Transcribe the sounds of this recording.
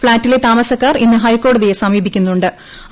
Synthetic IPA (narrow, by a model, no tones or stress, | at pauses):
pɭaːntːilet̪aːmɐsɐkːaːrinːɨɦɐjkːo̞ːɽɐðijesɐmiːbʱikʲːunːuɳɖɨ